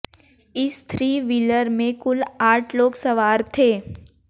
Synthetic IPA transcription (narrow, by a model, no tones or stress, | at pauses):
ɪst̪ʰɾiːʋiləɾmẽkʊlaːʈʰloːksɐʋaːɾt̪ʰeː